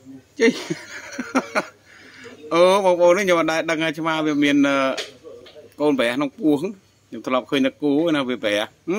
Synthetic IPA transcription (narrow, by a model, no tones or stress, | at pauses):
t͡ɕəɲ | ʔəːɓɑːŋɓoːnːikɲomaɗaɛɗəŋhaːt͡ɕʰmaːʋiəmiənʔəː | koːnpəɦĕahknoŋpuəhʰ | ɲomt̪ʰlŏɑp̚kʰəːɲnɨkuːnaːʋiəpəɦɛəh